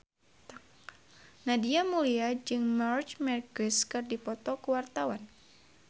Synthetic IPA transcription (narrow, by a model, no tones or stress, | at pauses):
nadiamuliad͡ʒɨŋmart͡ʃmɛrkəskɨrdipɔt̪ɔkəwart̪awan